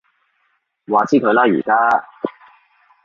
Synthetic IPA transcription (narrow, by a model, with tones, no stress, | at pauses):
waː˨˧t͡sʰiː˥kʰɵ˧ɥlaː˥jy̰ː˨˩kaː˥